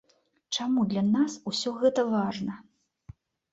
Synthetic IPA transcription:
t͡ʂamud̪lʲɐnasusʲɔɣɛt̪ɐvaʐnɐ

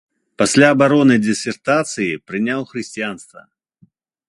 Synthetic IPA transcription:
pɐsʲlʲaːbaɾɔnɨjdʲɪsʲɛrt̪at̪sɨjipɾɨnʲawˠxɾɨsʲt͡sʲijanst̪vɐ̰

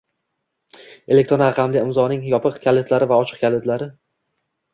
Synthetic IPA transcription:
e̞lek̚t̪ɾonaqʰɑmlɪɪmzɒnɪŋjɒpʰɨqkʲʰalet̪ʰlaɾɪvaɒt͡ʃʰɨ̥q̚kʲalet̪laɾɪ

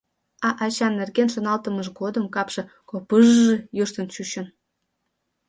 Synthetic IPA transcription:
ɑʔɑt͡ɕɑnːerɣenʃonɑlt̪ə̆məʃɡod̪ə̆mkɑpʃɤ̆ | kopəʒʒejuʃt̪ənt͡ɕuɕə̆n

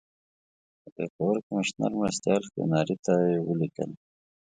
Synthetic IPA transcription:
peːxəwəɾkəmɪʃnə̰ɾmɾəst̪jɑːlkḛnɑːɾit̪ajewəlikə̰l

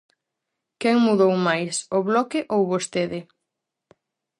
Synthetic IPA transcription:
kɛŋmuðowmajsoβlɔkɪʔowβost̪eðɪ

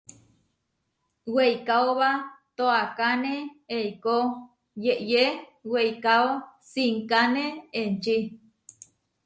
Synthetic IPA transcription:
wejkaoβat̪oakaneejko | jeʔjewejkaosiŋkaneent͡ʃi

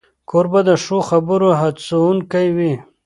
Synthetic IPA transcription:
kʰoɾbad̪əʂoxabəɾoɦasuunkajwi

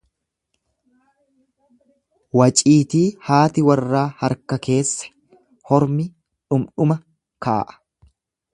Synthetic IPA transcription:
wɐt͡ʃʼiːt̪iːhaːt̪ɪwɐrːaːhɐɾkɐke̞ːsːɐ̥ | hɔɾmɪ | ᶑʊmᶑʊmɐ | ka̰ːʔɐ̥

